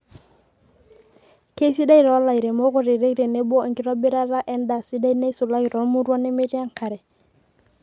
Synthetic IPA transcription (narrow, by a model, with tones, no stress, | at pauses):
ke˦si˦da˦i˨ɾɔ˦la˨jɾe˨mo˦kʊ˨ɾɪ˨ɾe˦ɾe˨ne˦bɔ˦˨ŋkɪ˦ɾɔ˦bɪ˦ɾa˦la˦ʔɛ˦nda˨sɪ˦da˦i˦ne˦sʊ˨la˦ɡi˨ɾɔ˦mu˦ɾwɔ˦ne˦me˦ɾja˦ŋka˨ɾɛ˨